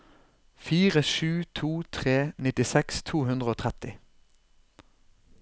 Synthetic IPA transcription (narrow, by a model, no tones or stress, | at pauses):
fiːʁəʃʉːt̪ʰuːt̪ʰʁeːnɪt̪ɪsɛkst̪ʰuːhʉnd̪ʁəoːt̪ʰʁɛt̪ɪ